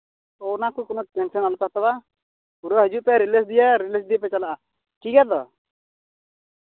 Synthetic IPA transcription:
ɔwnakukɔnɔʈɛnsənalukɛɦat̪ɔba | uɾəɦəd͡ʒuʔpɛɾiləsd̪ijaɾiləsd̪ijapɛt͡ʃalaʔa | kiɡad̪ɔ̰

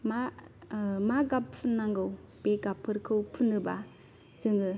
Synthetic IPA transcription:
ma | maɡapʰunːaŋɡɯwbeɡapʰːɯɾkʰɯwpʰunːɯba | zɯŋɯ

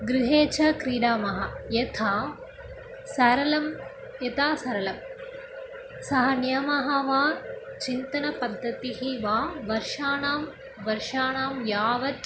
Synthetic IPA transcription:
ɡɾɪɦeːt͡ʃɐkɾiːɽaːmɐɦɐjet̪ʰaː | sɐɾɐlɐm | jet̪aːsɐɾɐlɐm | sɐɦɐnjɐmɐɦɐʋaːt͡ʃint̪ɐnɐpɐd̪ʱːɐt̪iɦiʋaːʋɐɾʂaːnaːm | ʋɐɾʂaːnaːmjaːʋɐt̪

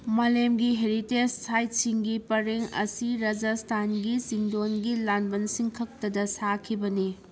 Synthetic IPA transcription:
malemɡiɦeɾitesːajt̚siŋɡipɐɾeŋɐ̰siɾad͡ʒastʰanɡisiŋdonɡilanbɐnsiŋkʰɐk̚tɐdɐsakʰibɐni

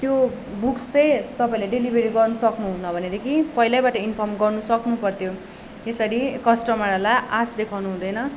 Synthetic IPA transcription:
t̪jo | bukst͡sʌjt̪ʌpaĩlaɖelibʱeɾiɡʌrnusʌknuɦunːʌbʱʌned̪ekʰipʌilabaʈʌinpʰʌrmɡʌrnusʌknupʌrt̪ʰjo | esʌɾikʌsʈʌmaɾalaʔasd̪ekʰawnuɦũd̪ʌjnʌ

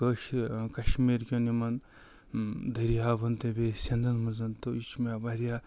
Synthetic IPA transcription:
əʃkɐʃmiɾkʲonimɐn | d̪ɐɾijaːbʱɐnt̪ebesʲɐnd̪ɐnmɐnzɐnt̪oit͡ʃmabaɾija

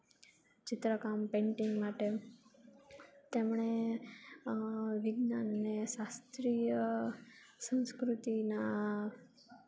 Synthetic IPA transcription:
t͡ʃɪt̪ɾəkampẽɳʈiŋɡmaʈe | t̪emɳe | ʋɪɡnanəneʃast̪ɾijə | sə̃nskɾut̪ina

